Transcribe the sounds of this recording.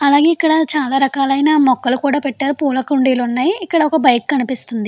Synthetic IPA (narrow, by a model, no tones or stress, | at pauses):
ɐlaːɡeːikːɐɽɐt͡ʃaːlaːɾɐkaːlɐjnaːmɔkːɐlukuːɽaːpɛʈːaːɾupuːlɐkuɳɖiːlunːaːjiːkːɐɽɐɔkɐbɐjkkɐnipist̪und̪i